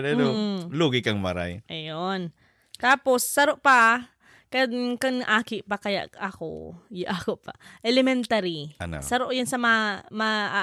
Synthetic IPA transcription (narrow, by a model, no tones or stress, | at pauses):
nɐnoluːɡɪkɐŋmaɾa̰jʔɐjon | t̪aːposːɐɾoʔpɐ | kɐkoŋʔaːkɪʔpɐkɐja̰ʔʔɐko̰jʔakoʔpa̰ʔɛlɛmɛnt̪aɾin̰sɐɾoʔjɐnsɐmamaʔ